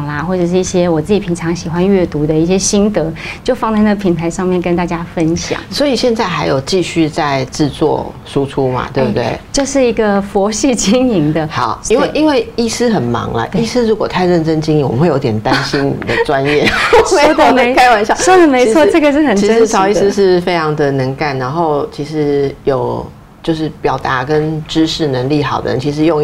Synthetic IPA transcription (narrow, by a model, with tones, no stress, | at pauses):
ŋlɐ˩xwɔ˥˩ʈ͡ʂɤ˨˩ʂ̬ɻ̩˥˩i˥˩ɕjɛ˥wɔ˨˩t͡sɹ̩˥˩t͡ɕi˨˩pʰi˧˥nʈ͡ʂʰɑ˧˥ŋɕi˨˩xwa˦nɥɛ˥˩t̪u˧˥d̪ə˨i˥˩ɕjɛ˦˥ɕi˥nt̪ɤ˧˦t͡ɕjo˥˧ʊfɑ˥˧ŋnt͡sa˥ɪna˥˩ɡə˩pʰi˨˩nt̪ʰa˧˥ɪʂɑ˥˧ŋmjɛ˥˩nkə˧˥nt̪a˥˩t͡ɕja˥fə˦nɕjɑ̰˨˩ŋswɔ˧˥i˨˩ɕjɛ˥˧nt͡sa˥˩ɪxa˧˥ɪjo˨˩ʊt͡ɕi˥˧ɕy˥˧t͡sa˥˧ɪʈ͡ʂɻ̩˥˧t͡swɔ̰˥˨˩ | ʂu˦ʈ͡ʂʰu˥ma̰˨t̪we˥˧˩bt̪wḛ˥˩ɪt͡ɕjo˥˧ʊʂɻ̩˥˩i˧˥ɡə˧fɔ˧˥ɕi˥˩t͡ɕi˥ŋi˧˥ŋd̪ə˧xɑ̰˨˩˦ʊi˥nwe˥˩ɪʔi˥nwe˥˩ɪi˥˩sɹ̩˥xə˨˩nmɑ̰˧˥ŋlə̰˦ʔi˥˩s̩˥ɻu˧˥kwɔ˨˩t̪ʰa˥˧ɪɻə˥˩nʈ͡ʂə˥ŋt͡ɕi˥ŋi˧˦ŋwə˦xe˥˩˨jo˧˥t̪jʲɛ˨nt̪a˦nɕi˦˥nnḭ˨d̪ə˨ʈ͡ʂwa˦njɛ˥˩e˥d̪ə˥˧˩me˧˥ɪka˥ɪwa˧˩˥ɕjɑ˥˨˧ʂo˥d̪ə˨˩me˧ɪt͡sʰwɔ˥˧ʈ͡ʂɤ˥˩ɡə˨ʂɻ̩˥˩xə˨˩nʰi˧ə˥ʂɻ̩˧t͡sʰɑ˨˥ʊi˥˧s̩˥ʂɻ̩˥˩fe˥ɪʈ͡ʂʰɑ˧˥ŋd̪ə˨nə˧˥ŋka˥˩nna˧˥nxo˥˧ʊt͡ɕʰi˧˥ʂɻ̩˧˥jo˨˩ʊ | t͡ɕjo˥˧ʊʂɻ̩˥˩pjɑ˨˩ʊt̪a˧˥kə˦nʈ͡ʂɻ̩˥ʂɻ̩˥˩nə˧˦˥ŋli˥˩xɑ˨˩ʊd̪ə̰˦ɻə̰˧˦nt͡ɕʰi˧˥ʂ̬ɻ̩˧˦jo˥˧ŋ